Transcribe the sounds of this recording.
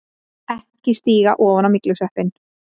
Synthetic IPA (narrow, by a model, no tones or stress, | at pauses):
ɛhcɪst̪iːɣaʔɔːvanawmɪklusɛhpɪn